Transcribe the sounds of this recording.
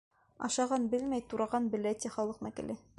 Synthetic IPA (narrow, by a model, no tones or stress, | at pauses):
ɑ̰ʃɑʁɑnbɘlmæjt̪uɾɑʁɑnbɘ̆læt̪ʲiχɑlˠɤ̆qnɤkɘ̰̆lʔɘ